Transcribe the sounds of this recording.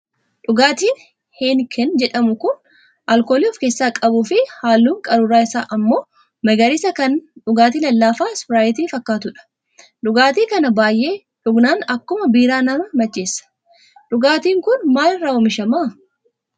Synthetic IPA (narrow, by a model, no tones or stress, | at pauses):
ᶑʊɡaːt̪iːn | hɛnkʰɛnd͡ʒɛᶑɐmʊkʊn | ʔɐlkoːliːɔfke̞ːsːaːkʼɐbuːfɪhaːlːuːŋkʼɐɾʊɾaːɪsaːʔɐmːo̞ː | mɐɡɐɾɪsɐkɐnᶑʊɡaːt̪̬iːlɐlːaːfaːsbɪɾaːjɪt̪iːfɐkːaːt̪ʊᶑɐ̥ | ᶑʊɡaːt̪iːkɐnɐbaːjʔe̞ː | ᶑʊɡnaːnɐkːʊmɐbiːɾaːnɐmɐmɐt͡ʃːeːsːɐ̥ | ᶑʊɡaːt̪iːŋkʊnmaːlɪrːaːɔmɪʃɐma